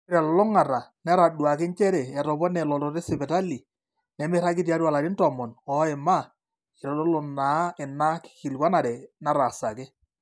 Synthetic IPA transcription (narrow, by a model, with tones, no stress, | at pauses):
ɪ˦ɾɛ˨llʊ˦ŋa˨ɾa˨nɛ˦ɾa˨ɗwa˨kɪ˦ɲt͡ʃɛ˦ɾɛ˨ɛ˨tɔ˨bɔ˦nɛ˨lɔ˨tɔ˨ɾe˦sɪ˨bɛ˨ta˦li˨ | nɛ˨mɪ˦ɾa˦k̬ɪ˦t̬ja˦ɾa˨la˨ɾi˦ntɔ˨mɔ˨nɔ˦ɛ˨ma˦˨ | ɪ˨ɾɔ˨lɔ˦lʊ˨na˨˦ɪ˨na˦kki˨lkwa˦na˨ɾɛ˨na˦ɾa˨sa˨kɛ˦